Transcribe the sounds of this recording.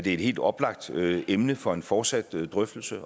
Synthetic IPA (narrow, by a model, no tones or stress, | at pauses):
d̥ee̝d̥he̝̰ld̥ɒ̽b̥lɑ̈ɡ̥̚d̥emnəfɒ̽e̝nfɒːd̥sæd̥ːʁœfd̥l̩sə